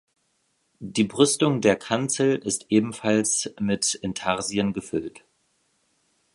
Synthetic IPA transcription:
d̥iːbʁʏstʊŋdeːɐkʰant͡sl̩ɪstʔeːbm̩falsmɪtɪntʰaʁziənɡəfʏlt

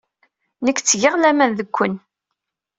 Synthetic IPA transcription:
nəkːt͡sːʝəʁlæmænðəkʷːən

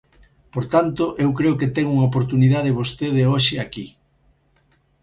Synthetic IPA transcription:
poɾt̪ant̪oʔewkɾeoket̪eŋuŋaop̬oɾt̪uniðaðeβost̪eðeoʃɪaki

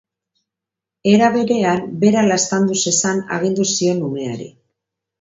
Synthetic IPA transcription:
e̞ɾaβe̞ɾe̞ambe̞ɾalaest̪and̪use̞sana̰ɣind̪usio̞nume̞aɾḭ

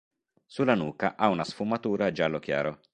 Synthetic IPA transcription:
sulːanuːkaʔaunasfumat̪uːɾad͡ʒalːok̟ja̰ːɾo

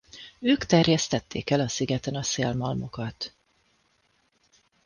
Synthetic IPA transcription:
øːkt̪ɛrjɛst̪ɛt̪ːeːkɛlɒsiɡɛt̪ɛnɒseːlmɒlmo̞kɒt̪

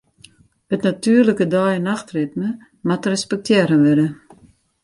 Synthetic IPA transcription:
ətnatyərləkədajənaxtrɪtmə | matrɛspɛk̚tʰjɛːɾənʋɪdə

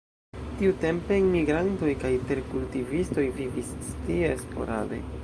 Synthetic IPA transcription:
tiute̞mpe̞nmiɡɾanto̞jkajte̞ɾkultivisto̞jvivisːtiespo̞̰ɾa̰dḛ

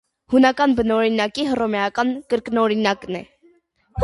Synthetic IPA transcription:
hunɑkɑnbənɔɾinɑkiɦərɔmɛɑkɑnkəɾknɔɾinɑknɛ̰ | h

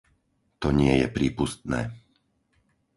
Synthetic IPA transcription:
t̪ɔɲɪɛjɛpɾiːpust̪nɛː

